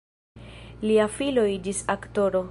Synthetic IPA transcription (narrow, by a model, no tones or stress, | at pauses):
liafiloid͡ʒisakto̞ɾo̞